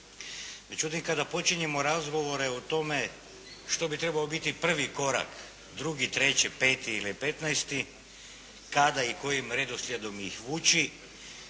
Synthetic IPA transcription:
ʋe̞d͡ʑut̪imkad̪apo̞t͡ʃiɲe̞mo̞ɾazɡo̞ʋo̞ɾe̞ot̪o̞me̞ | ʃt̪o̞bit̪ɾe̞baobit̪ipr̩ʋiko̞ɾa̰k | d̪ɾuɡit̪ɾe̞t͡ɕɛpe̞ːt̪iilipe̞t̪naest̪i | kad̪aiko̞jimɾe̞d̪oslʲjed̪o̞mixʋuːt͡ɕi

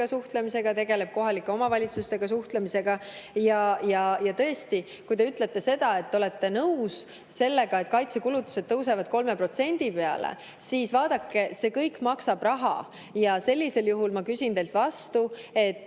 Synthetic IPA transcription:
ɑsuht̪lemise̞ɡ̥ɑt̪e̞ɡe̞le̞b̥̚ko̞ɦɑlikːeo̞mɑvɑlʲit̪sust̪e̞ɡ̥ɑsuht̪lemise̞ɡ̥ɑjɑjɑjɑt̪ɤest̪i | kujt̪e̞yt̪ːˑle̞t̪ːe̞se̞d̪̥ɑe̞t̪ːeo̞le̞t̪ːe̞nɤws | se̞lːe̞ɡ̥ɑet̪̚kɑjt̪se̞kulut̪ːˑu̥sed̪̚ːɤwse̞vɑd̪̥̚ko̞lme̞pro̞t̪se̞nʲd̪̥ipe̞ɑ̰lḛ | siːsvɑːd̪ɑkːe̞se̞ːkɤjkːmɑksɑb̥rɑɦɑ̰ | jɑse̞lʲːise̞ljuɦulmɑkysʲint̪e̞jlt̪ˑvɑst̪ue̞t̪ːˑ

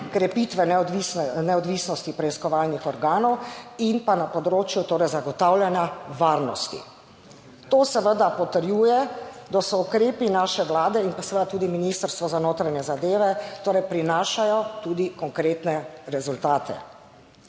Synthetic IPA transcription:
kɾɛpit̪ʋɛʋisnɛɔd̪ʋisnɔst̪ipɾɛiskɔʋaːlnixɔɾɡaːnɔwinpanapɔd̪ɾoːt͡ʃjut̪oːɾɛjzaɡɔt̪awljanjaʋaːɾnɔ̰st̪ḭ | t̪oːsɛʋəd̪apɔt̪əɾjuːjɛd̪asɔukɾeːpinaːʃɛʋlaːd̪ɛinpasɛʋəd̪at̪uːd̪iminist̪əɾst̪ʋɔzanoːt̪ɾaɲɛzad̪eːʋɛt̪oːɾɛjpɾinaːʃajɔt̪uːd̪ikɔŋkɾeːt̪nɛɾɛzult̪aːt̪ɛ̰

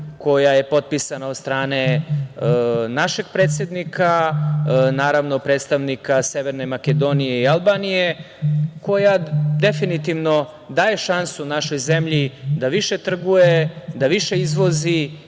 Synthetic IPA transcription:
ko̞jaje̞po̞t̪̚pisanaod̪st̪ɾaːne | naʃe̞ɡ̥̚pɾe̞ːt̪sʲe̞d̪nika | naːɾaʋno̞pɾet̪st̪aʋnikase̞ʋe̞ɾnemaked̪o̞nije̞ialˠbanije̞ | ko̞jad̪e̞finit̪iʋno̞ | d̪aːje̞ʃansunaʃo̞jze̞mʎid̪aʋiʃe̞t̪r̩ɡuje̞d̪aʋiʃe̞izʋo̞zi

